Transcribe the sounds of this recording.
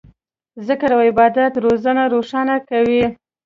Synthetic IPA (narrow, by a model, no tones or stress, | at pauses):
zəkaɾawɪbɑd̪at̪ɾozanaɾoʂɑnakawi